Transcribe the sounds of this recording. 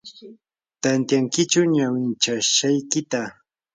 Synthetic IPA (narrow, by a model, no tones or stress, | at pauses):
t̪ant̪jaŋkɪt͡ʃʊɲawɪnt͡ʃaʃajkɪt̪a